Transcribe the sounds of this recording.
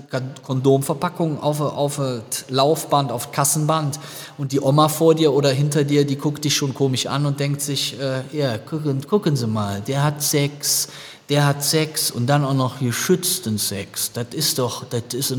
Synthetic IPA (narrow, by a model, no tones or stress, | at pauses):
kʰɔndoːmfɛɐpʰakʊŋʔa̰ʊfʔa̰ʊfəlaʊfb̥antaʊfkʰasn̩bant | ʔʊnt̚d̥iːʔɔmafoːɐdiːɐʔoːɾɐɦɪntɐdiːɐdiːkʰʊkt̚d̥ɪçʃoːnkʰoːmɪʃʔa̰nʊnt̚d̥ɛŋk̚tz̥ɪçʔɛːjaːkʰʊkənkʰʊkənziːmaːldeːɐhatsɛks | d̥eːɐhatsɛksʊ̰nt̚d̥anaʊxnɔχɡəɐʃʏt͡stənsɛ̰ksd̥atɪstd̥ɔχd̥atɪs